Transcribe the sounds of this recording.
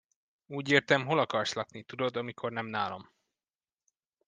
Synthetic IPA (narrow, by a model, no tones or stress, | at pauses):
uːɟeːrt̪ɛmɦo̞lɒkɒrslɒknit̪ud̪o̞d̪ɒmikʰo̞rnɛmnaːlɒ̰m